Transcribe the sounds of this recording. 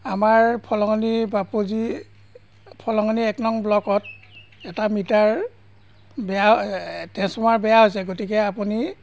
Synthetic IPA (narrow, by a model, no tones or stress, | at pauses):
amaɹpʰɔlɔŋɔnibapuzi | pʰɔlɔŋɔniɛknɔŋblɔkɔt̚ | ɛtamitaɹ | bɛjatɛ̃sɔmaɹbɛjaɦojsɛɡotikɛapuni